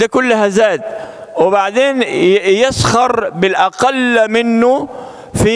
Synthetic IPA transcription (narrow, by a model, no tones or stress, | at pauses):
akʊlːɦazaːt̪ | wɪbaʕd̪eːnjɪshɑɾˤbɪlʔaqalmɪnːʊ | fi